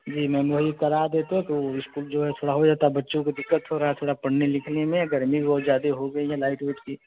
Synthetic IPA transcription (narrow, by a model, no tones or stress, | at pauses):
d͡ʒiːmɛ̃ːmoɦikɐɾaːɾd̪eːt̪eɦɛ̃t̪oɪskuːld͡ʒoːɦɛt̪ʰoːɽaɦod͡ʒaːt̪aɛbɐtːʃõked̪ɪkːət̪ɦoɾaɦaɛt̪ʰoːɽapɐɽ̤nelɪkʰnemẽɡɐɾmiibɔːt̪zjaːd̪eɦoɡɐiɦɛlaːɪʈʋɪːʈkiː